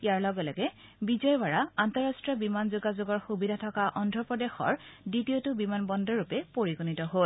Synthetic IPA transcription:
ijaɹlɔɡɔlɔɡɛ | bizɔjbaɹaantɔɹastɹiɔbimanzuɡazʊɡɔɹxubidʱatʰɔkaʔɔndʱɹɔpɹɔdexɔ̰ɹditiotʊbimanbɔndɔɹupɛpoɹiɡunitɔɦol

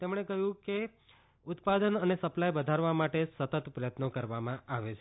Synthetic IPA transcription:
t̪emɳ̃ekəɦjũke | ʊt̪pad̪ənənesəplajbəd̪ʱaɾʋamaʈesət̪ət̪pɾəjət̪nokəɾʋamãaʋet͡ʃʰe

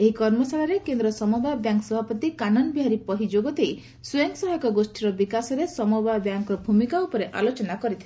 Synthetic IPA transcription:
eɦikɔɾmɔsaɭaɾekend̪ɾɔsɔmɔbabjaŋksɔbʱapɔt̪ikanɔnbiɦaɾipɔɦid͡ʒoɡɔt̪ej | sueŋksɔɦɔkɔɡosʈiɾɔbikasɔɾesɔmɔbabjaŋkɔbʱumikaupɔɾeʔa̰lot͡ʃɔnakɔɾit̪ʰile

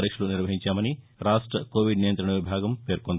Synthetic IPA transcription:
ɾiʂɐluniɾʋɐɦiɲt͡ʃaːmɐni | ɾaːʂʈɾɐkoːʋiɖnijɐnt̪ɾɐɳnɐʋibʱaːɡɐmpe̞ːɾkond̪

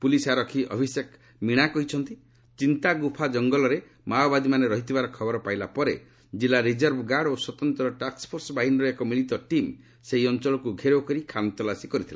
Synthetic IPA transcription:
pulisaɾɔkʰiʔɔ̰bʱisek | miɽ̃akɔɦit͡ʃʰɔnt̪i | t͡ʃint̪aɡupʰad͡ʒɔŋɡɔlɔɾe | maobad̪imaneɾɔɦit̪ʰibaɾɔkʰɔbɔɾɔpajlapɔɾe | d͡ʒilːaɾid͡ʒɔɾbʱɡaɽoswɔt̪ɔnt̪ɔɾɔʈakspʰoɾsɔbaɦinɔɾekɔmilit̪ɔʈim | seɦiɔnt͡ʃɔɭɔkuɡʱeɾokɔɾikʰant̪ɔlasikɔɾit̪ʰila

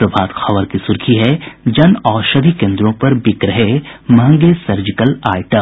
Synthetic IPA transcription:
ɾɐbʱaːd̪xɐʋəɾkisʊɾkʰiɦɛd͡ʒɐnɔːɾʃɐd̪ʱikẽːnd̪ɾõpɐɾbɪkɾɐɦemɐɦə̃ŋɡesɐɾd͡ʒɪkəlaːɪʈə

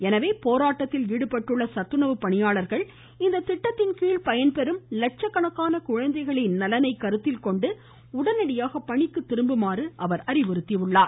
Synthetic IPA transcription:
ɛnɐʋeːpoːɾaːʈːɐt̪ːɪliːɽɯpɐʈːɯɭːɐsɐt̪ːɯnɐʋɯpɐɳɪjaːɭɐɾɣɐɭ | ɪnd̪ɐt̪ɪʈːɐt̪ːɪnkiːɭpɐjɐnpɛɾɯmlɐʈ̚t͡ʃɐkːɐɳɐkːaːnɐkʊɻɐnd̪ɐɪɣɐɭɪnnɐlɐnɐɪkːɐɾɯt̪ːɪlkɔɳɖɯ | ʊɽɐnɐɽɪjaːɣɐpːɐɳɪkːɯt̪ːɪɾɯmbɯmaːrɯʔɐʋɐɾɐɾɪʋɔɾɯt̪ːɪɐʋɯɭːaːɾ

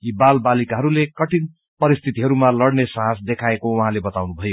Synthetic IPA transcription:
jibalbalikaɦʌɾulekʌʈin | pʌɾist̪ʰit̪iɦʌɾumalʌɽnesʌɦãsd̪ekʰaekowʌɦãlebʌt̪awnubʱʌjo

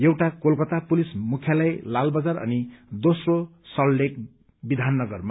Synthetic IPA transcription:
jewʈakolkʌt̪apulismukʰjalajlalbʌd͡zarʌ̰nid̪osrosʌllek | bid̪ʱanːʌɡʌrma

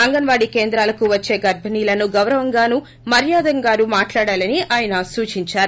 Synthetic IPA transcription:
ɐŋɡɐnʋaːɽike̞ːnd̪ɾaːlɐkuʋɐt͡ʃːe̞ːɡɐɾbʱɐniːlɐnuɡɐwɾɐʋɐŋɡaːnu | mɐɾjaːd̪ɐŋɡaːɾumaːʈlaːɽaːlɐniaːjɐnɐsuːt͡ʃiɲt͡ʃaːɾu

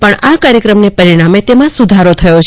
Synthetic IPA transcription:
pəɳakaɾjəkɾəmnepəɾiɽ̃amet̪emãsud̪ʱaɾot̪ʰəjot͡ʃʰ

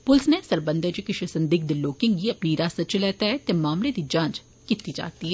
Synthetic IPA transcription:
pʊlsnesɐɾbə̃nd̪ʱəd͡ʒikɪʃəsɐ̃nd̪ɪk̚d̪iloːkɪ̃ŋɡɦiɐpniɾaːsɐt͡ʃlɛːt̪aɦɛt̪emaːmled̪id͡ʒãːnt͡ʃ | kɪt̪ːid͡ʒa̰ːt̪iɦɛ

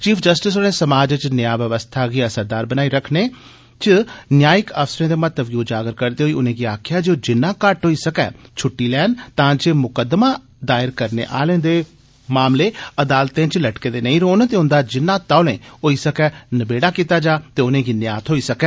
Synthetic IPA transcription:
t͡ʃiːpʰd͡ʒəsʈɪsonẽːsəmaːd͡ʒt͡ʃnɪjaːʋəʋəst̪ʰaːɡiːəsəɾd̪aːɾbənaːiːɾəkʰneː | t͡ʃənjaːjɪkəfsɾẽːd̪eːmət̪əbɡoːd͡ʒaːɡəɾkəɾd̪eːɦoːiːʊnẽːɡiːaːkʰɪjaːd͡ʒeoːd͡ʒɪnːãːkəʈɦoːiːsəkɛ̰ːt͡ʃʰʊʈːiːlɛːnt̪ãːd͡ʒeːmʊkəd̪mãː | d̪aːɪɾkəɾnḛːʔa̰ːlẽːd̪eː | maːmleːəd̪aːlt̪ẽːt͡ʃləʈkeːd̪eːnəĩɾoːnt̪eːʊ̃nd̪aːd͡ʒɪnːãːt̪aːlḛ̃ːoːiːsəkɛːnəbeːɽaːkiːt̪aːd͡ʒaːt̪eːʊnẽːɡiːnɪjaːt̪ʰɦoːiːsəkɛː

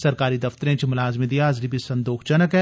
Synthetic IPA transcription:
sɐɾkaːɾid̪ɐft̪əɾẽt͡ʃʰimʊlaːzmid̪ijaːzɾibisɐ̃nd̪oːxʰt͡ʃɐnəkɛ

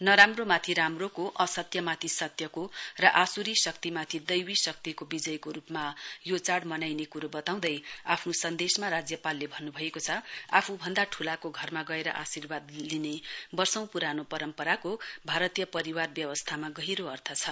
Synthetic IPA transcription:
nʌɾamromat̪ʰiɾamrokoʔʌsʌt̪jʌmat̪ʰisʌt̪jʌkorʌʔasuɾisʌkt̪imat̪ʰid̪ʌjwisʌk̚t̪ikobid͡zʌjkoɾupmajot͡saɽmʌnajnekuɾobʌt̪aw̃d̪ʌjapʰnosʌnd̪esmaɾad͡zjʌpalːebʱʌnːubʱʌekot͡sʰʌa̰pʰubʱʌnd̪aʈʰulakoɡʱʌrmaɡʌeɾʌ̰ʔasirbad̪linebʌrsʌ̃w̃puɾanopʌɾʌmpʌɾakobʱaɾʌt̪ijʌpʌɾiwarbjʌwʌst̪ʰamaɡʌɦiɾoʌrt̪ʰʌt͡sʰʌ

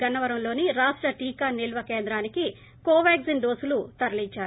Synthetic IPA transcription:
ɐnːɐʋɐɾɐmlo̞ːniɾaːʂʈɾɐʈiːkaːnilʋɐkeːnd̪ɾaːniki | koːʋaːɡzinɖo̞ːsulut̪ɐɾɐliɲt͡ʃːaːɾu

